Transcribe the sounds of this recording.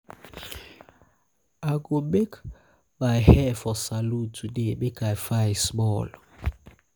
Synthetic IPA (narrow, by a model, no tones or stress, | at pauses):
aɡomek | bajhɛfɔsalutʰudebekajfajsmɔlɔ